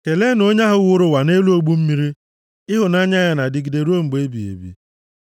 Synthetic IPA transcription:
ke˨le˦no˦ɲa˦ɦʊ˨ɣʊ˦ɾʊ˨wa˨ne˦lu˦o˦ɡ͡bu˦m̩˦mi˦ɾi˦ | ɪ˦ɦʊ˨na˦ɲa˦ɲa˨na˨dɪ˨ɡi˨de˨ɾu˦o˦ŋ͡m̩˨ɡ͡be˦bḭ˨ḛ˨bḭ˨

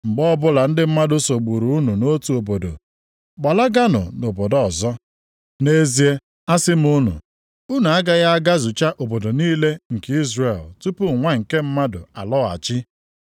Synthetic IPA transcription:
ŋ͡m̩˨ɡ͡bɔ˦bʊ˦la˨n̩˦dɪ˦m̩˦ma˦dʊ˦so˨ɡ͡bu˨ɾu˨u˦nu˨no˦tu˨o˨bo˨do̰˨ | ɡ͡ba˨la˦ɡa˦nʊ̰˨no˨bo˨dɔ˦ɔ˨zɔ˦ | ne˦zi˨˦e˦ | a˦sɪ˦m̩˦u˦nṵ˨ | u˦nu˨a˦ɡa˦ɣa˦a˦ɡa˦zʊ˨t͡ʃa˦ʔo˨bo˨do˨niː˦le˦ŋ̩˨ki˦zre˨ltu˦pu˦˨ŋʷa˦ŋ̩˨ke˦m̩˦ma˦dʊ̰˨a̰˨lɔ˦˨a̰˨t͡ʃɪ˦

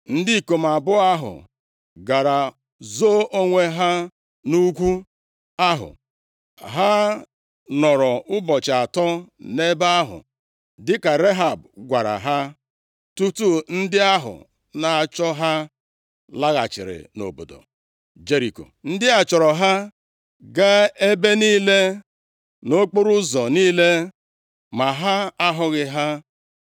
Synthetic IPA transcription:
n̩˦di˦i˦˨ko˨m̩˨a˨bʊ˦a˦ɦʊ̰˨ | ɡa˨ɾa˨ | zo˦ʔo˦ŋʷe˦ɦa˦ | nu˦kʷu˦ | a˦ɦʊ̰˨ | ɦa˦ | nɔ˨ɾɔ˨ʊ˦bɔ˨t͡ʃa˨tɔ˦ne˦ba˦ɦʊ̰˨ | dɪ˦ka˨ɾe˦ɦa˨bɡʷa˨ɾa̰˨ɦa˦ | tu˦tu˦n̩˦dɪ˦a˦ɦʊ̰˨ | na˨a˨t͡ʃɔ˦ɦa˦ | la˦ɣa̰˨t͡ʃɪ̰˨ɾɪ̰˨no̰˨bo̰˨do̰˨ | d͡ʒe˦ɾi˨ko̰˨n̩˦dɪ˦a˨t͡ʃɔ˨ɾɔ˨ɦa˦ | ɡa˦e˦be˦niː˦le˦ | no˦k͡po˦ɾʊ˦zɔ˨niː˦le˦ | ma˨ɦa˦a˦ɦʊ˨ɣɪ˨ɦa˦

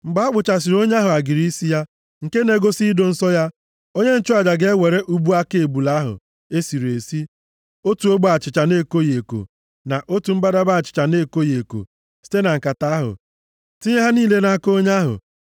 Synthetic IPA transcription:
ŋ͡m̩˨ɡ͡ba˨˦a˦k͡pʊ˨t͡ʃa˨s̬i˨ɾo˦ɲa˦ɦʊ˨a˨ɡi˨ɾi˦si˦ja˦ | ŋ̩˨ke˦ne˨ɡo˦si˦do˨n̩˦sɔ˦ja˦ | o˦ɲe˦n̩˦t͡ʃʊ˦a˨d͡ʒa˨ɡe˦we˨ɾe˦ʔu˦bu˦a˦ke˨bu˨la˦ɦʊ̰˨ | e˦si˨ɾe˨si˦ | o˦tu˨o˦ɡ͡ba˨t͡ʃɪ˨t͡ʃa˨ne˦˨ko˦je˨ko̰˨ | na˨ʔo˦tu˨m̩˦ba˦da˦ba˦a˨t͡ʃɪ̥˨t͡ʃa˨ne˦˨ko˦je˨ko̰˨ | si̥˦te˦na˨ŋ̩˨ka˨ta˦ɦʊ̰˨ | ti˦ɲe˦ɦa˦niː˦˨le˦na˨a˦ko˦ɲa˦ɦʊ̰˨

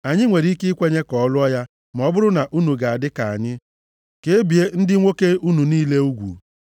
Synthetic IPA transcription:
a˨ɲɪ˦ŋʷe˨ɾi˦ke˦kʷe˦ɲe˦kɔ˨ɔ˦lʊ˦ɔ˦ja˦ | m˨ɔ˦bʊ˦ɾʊ˦na˨ʔu˦nu˨ɡa˨a˨dɪ˦ka˨a˨ɲɪ˦ | ke˦bi˨e˦n̩˦dɪ˦ŋʷo˦ke˦u˦nu˨niː˦le˦u˦ɡʷṵ˨

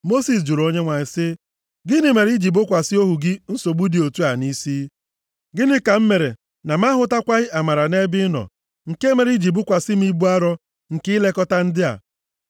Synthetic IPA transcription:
mo˦si˨s̬d͡ʒu˨ɾo˦ɲe˦ŋʷa˨ɲɪ˨sɪ˦ | ɡɪ˦nɪ˨me˨ɾi˦d͡ʒi˨bʊ˦kʷa˨sɪ˦o˦ɦu˨ɡɪ˦n̩˦so˨ɡ͡bu˦di˨o˨tu˦a˨ni˦siː˦ | ɡɪ˦nɪ˦ka˨m̩˦me˨ɾe˨ | na˨m̩˦a˦ɦʊ˦ta˦kʷa˦ɣɪ˦ʔa˨ma˨ɾa˨ne˦bɪ˦nɔ̰˨ | ŋ̩˨ke˦me˨ɾi˦d͡ʒi˨bʊ˦kʷa˨sɪ˦m̩˦i˦bu˦a˦ɾɔ˦ | ŋ̩˨kɪ˦le˦kɔ˦ta˦n̩˦dɪ˦a̰˨

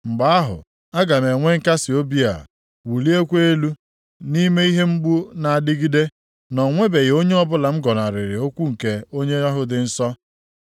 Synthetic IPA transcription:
ŋ͡m̩˨ɡ͡ba˦a˦ɦʊ̰˨ | a˦ɡa˨me˨ŋʷe˦ŋ̩˦ka˦sɪ˨o˦bi˦a̰˨ | wu˨li˦e˦kʷe˦e˦lu˦ | ni˦me˦i˦ɦe˦ŋ͡m̩˦ɡ͡bu˦na˨a˨dɪ˦ɡi˦de˦ | nɔ˨ŋʷe˦be˨ɣe˨o˦ɲe˦ɔ˦bʊ˦la˨ŋ͡m̩˦ɡɔ˨n˨a˨ɾɪ˨ɾɪ˨o˦kʷu˦ŋ̩˨ke˨o˦ɲe˦ɔ˦ɦʊ˦dɪ˨n̩˦sɔ˦

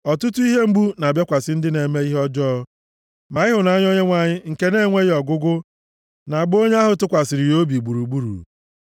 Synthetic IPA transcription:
ɔ˨tu˦tu˦i˦ɦe˦ŋ͡m̩˦ɡ͡bu˦na˨bja˦kʷa˨sɪ˦n̩˦dɪ˦ne˨me˦i˦ɦɔ˦d͡ʒɔː˦ | ma˨ɪ˦ɦʊ˨na˦ɲ˦ɔ˦ɲe˦ŋʷa˨ɲɪ˦ŋ̩˨ke˦ne˦ŋʷe˦ɣjɔ˨ɡʊ˦ɡʊ˦ | na˨a˨ɡ͡bo˦ɲe˦a˦ɦʊ˨tʊ˦kʷa˨sɪ˨ɾɪ˨jo˦bi˨ɡ͡bu˨ɾu˨ɡ͡bu˦ɾṵ˨

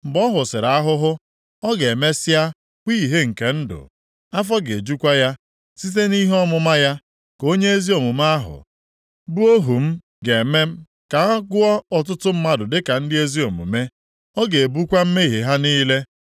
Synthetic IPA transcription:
m̩˨bɔ˦ɦʊ˨sɪ˨ɾa˨a˦ɦʊ˦ɦʊ˦ | ɔ˦ɡe˨me˦sɪ˦a˦ | kʷi˦˨ɦe˦ŋ̩˨ke˨n̩˦dʊ̰˨ | a˦f̬ɔ˦ɡe˨d͡ʒu˦kʷa˦ja˦ | si˦t̬e˦ni˦ɦɔ˦mʊ˦ma˦ja˦ | ko˦ɲe˦e˦zi˦o˨mu˨m̩˦a˦ɦʊ̰˨ | bu˦o˦ɦu˨m̩˦ | ɡe˨me˦m̩˦ | ka˨˦ɡʊ˦ɔ˦ɔ˨t̬ʊ˦tʊ˦m̩˦ma˦dʊ˨dɪ˦ka˨n̩˦dɪ˦e˦zi˦o˨mṵ˨me˦ | ɔ˦ɡe˨e˨bu˦kʷa˦m̩˦me˦i˨ɦe˨ɦa˦niː˦le˦

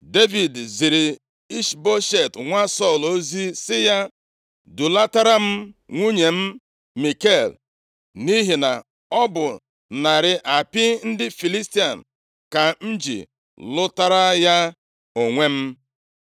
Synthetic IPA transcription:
de˦vi˨dzi˨ɾɪ˨ | i˦ʃbo˦ʃe˨tŋʷa˦sɔ˦˨lo˦zi˦sɪ˦ja˦ | dʊ˨la˦ta˦ɾa˦m̩˦ŋʷu˦ɲe˨m̩˦ | mi˨ke˦˨l | ni˦ɦi˨na˨ | ɔ˦bʊ˨ | na˨ɾɪ˨ʔa˨pɪ˦n̩˦dɪ˦fi˨li˦sti˦a˨n̩˨ | ka˨n̩˦d͡ʒḭ˨ | lʊ˦ta˦ɾa˦ja˦ | o˨ŋʷe˦m̩˦

